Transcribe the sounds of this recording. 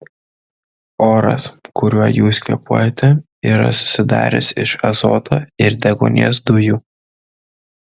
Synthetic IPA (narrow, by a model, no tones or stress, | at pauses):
oːɾɐ̰skʊɾʲuɔjuːskʲɛ̰puːjɛt̪ʲɛ | iːɾɐ̰sʊ̥sʲɪd̪ɑ̰ːɾʲɛ̰sɪʃɐzɔ̰ːt̪ʰoːɪɾd̪ʲɛɡɔ̰nʲḭɛsd̪ʊjuː